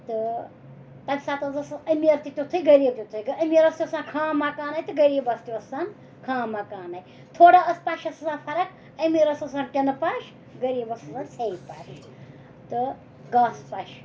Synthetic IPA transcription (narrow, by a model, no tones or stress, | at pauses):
t̪ɨ | t̪ɐbʲsaːt̪ɐzɐsɐmiɾt̪ʲit̪ʲut̪ʰɨjɡɐɾiːb̚t̪ʲut̪ʰɨjɡɐmiɾɐst̪isãːnkʰãːmakaːnaːjt̪ɨɡɐɾiːbɐst̪ʲiɐsɐn | kʰãːmakaːnaj | t̪ʰoːɽaɐspaʃɐsɐsãːpʰɐɾɐk | ɐmiɾɐsɐsaːnʈʲɐnɐpaːʃ | ɡɐɾiːbɐsɐsaːnsʰeipaʃ | t̪ɨ | ɡaːspaʃ